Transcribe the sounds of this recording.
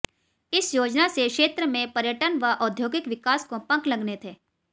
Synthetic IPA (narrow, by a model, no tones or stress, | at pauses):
ɪsjoːd͡ʒnasekʃeːt̪ɾəmẽpɐɾjəʈənʋaʔɔːd̪ʱjoːɡɪkʋɪkaːskopɐ̃ŋklɐɡnet̪ʰeː